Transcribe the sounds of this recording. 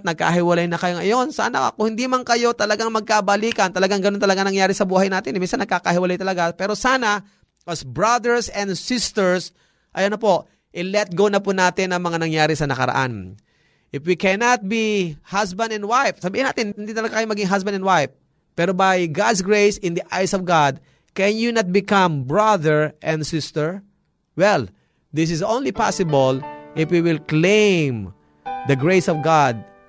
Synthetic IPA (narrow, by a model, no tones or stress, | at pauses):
t̪̚nɐɡ̚ka̰ɦɪwɐlajnɐkɐjoŋɐjo̞nsa̰ːnɐka̰kʊŋhɪnd̪imaŋkɐjo̞t̪ɐlɐɡaŋmɐɡ̚kabɐliːkɐnt̪ɐlɐɡaŋɡɐnont̪ɐlɐɡanɐŋjaːɾɪsɐbuːhɐjnaːt̪ɪnɛminsanːɐɡ̚kakɐhɪwɐlajt̪ɐlɐɡapɛːɾo̞saːnɐ | ʔɐsbɹad̪ɛɹsɛ̃nd̪sɪst̪ɛɹs | ʔɐjɐnɐpo̞ʔ | ʔɪlɛt̪̚ɡownɐpʊnaːt̪ɪnːɐŋmɐŋanɐŋjaːɾɪsɐnɐkɐ̰ɾɐ̰ʔa̰n | ʔɪfwikɛnat̪̚bihasbɐ̃nd̪ɛ̃nd̪wajfsɐbiːhɪnaːt̪ɪnhɪnd̪it̪ɐlɐɡakɐjomɐɡɪŋɦas̬bɐnɛnwajf | pːɛːɾobajɡad̪s̬ɡɹejsɪ̃nd̪iʔajsɔvɡad̪̚ | kɛnjunat̪̚bɪkãmbɹaðəɹʔɛ̃nd̪sɪst̪ɛɹ | wɛl | d̪ɪs̬ɪsõwnlipasɪbolʔɪfwiwɪlklẽm | d̪ɐɡɹejsɔvɡad̪̚